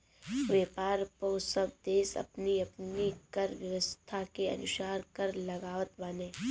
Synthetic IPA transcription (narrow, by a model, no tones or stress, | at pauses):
ʋeːpaːɾposɐb̚d̪eːsɐ̰pniɐpnikɐɾʋjɐʋəst̪ʰakeɐ̰nʊʃaːɾkɐɾlɐɡaːʋət̪baːnẽː